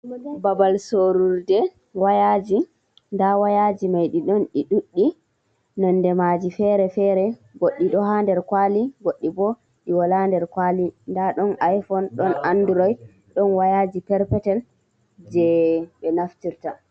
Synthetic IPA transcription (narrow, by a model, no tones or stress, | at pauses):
babalsoɾuɾdɛ | wajad͡ʒi | ndawajad͡ʒimajɗiɗɔnɗiɗuɗːi | nɔnːdɛmad͡ʒifɛɾɛfɛɾɛɡoɗːiɗɔɦandɛɾkwaliɡoɗːibɔ | ɗiwalandɛɾkwalindaɗɔnajfɔnɗɔnʔanduɾɔjd | ɗɔnwajad͡ʒipɛɾpɛtɛl | d͡ʒɛbɛnaftiɾta